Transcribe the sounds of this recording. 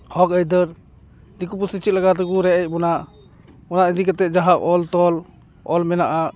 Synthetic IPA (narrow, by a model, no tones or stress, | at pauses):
hɔkəjd̪əɾ | d̪ikup̬usit͡ʃit̪̚laɡat̪ɛkuɾɛʔɛc̚ˀbɔnaʔ | ɔnaʔid̪ikɛt̪ɛd͡ʒaɦaʔʔɔlt̪ɔl | ɔlmɛnaʔaʔ